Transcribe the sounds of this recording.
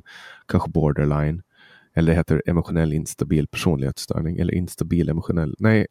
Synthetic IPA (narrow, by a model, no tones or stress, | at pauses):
kʰanɧəbɔːɖəɾɭajn | ɛlːəɖɛɦeːt̪əɾɛ̰mʊɧʊnɛlːɪnst̪abiːlpʰæʂuːnlɪhḛːt̪st̪ʰœ̰ːɳɪŋʔɛ̰lːə̰ʔɪ̰nst̪abiːlɛmʊɧʊnɛlːnɛɪ